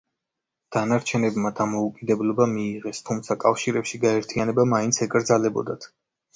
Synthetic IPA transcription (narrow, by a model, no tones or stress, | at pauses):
d̪̥anaɾt͡ʃʰɛnɛbmad̪amɔukʼid̪ɛblˠɔbamiːʁɛst̪ʰumt̪sʰakʼafʃiɾɛpʃiɡaɛɾt̪ʰianɛbamaint̪sʰɛkʼɾd̪zalɛbɔ̰d̪at̪ʰ